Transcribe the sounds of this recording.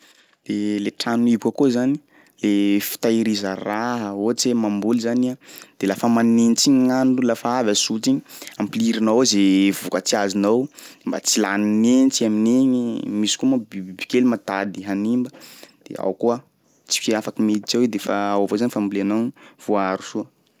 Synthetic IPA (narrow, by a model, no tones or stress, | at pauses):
d̥̪eleʈ͡ʂanuibkəkozani̥ | lefi̥t̪aiɾizəraɦəot͡semambulizanad̪̥elafəmanenit͡siɲiŋanɖ͡ʐulafaavasut͡siɲiampiliɾinawzevukət͡siazinawmba̰t͡silaninent͡siamineɲimisi̥komabibibi̥kʲelimat̪ad̪iɦanimbəd̪̥ḛa̰wkuə | t͡si̥kiafakəmet̪i̥t͡sewed̪efaawavozanifambuleanav̥uaɾu̥suə